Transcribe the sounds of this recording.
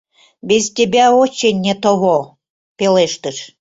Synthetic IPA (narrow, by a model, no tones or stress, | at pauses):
bezt̪ʲebʲæot͡ɕenʲːet̪oβo | peleʃt̪əʃ